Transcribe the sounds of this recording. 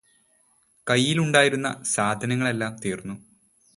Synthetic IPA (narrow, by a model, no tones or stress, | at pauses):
kɐjːiluɳɖaːjiɾunːɐ̰saːd̪ʱɐnɐŋːɐɭe̞lːaːmt̪iːrnːu